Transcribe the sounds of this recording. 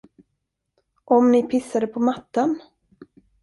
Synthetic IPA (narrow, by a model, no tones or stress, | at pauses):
ʔɔmnɪpʰɪsːad̪əpʰɔmat̪ːan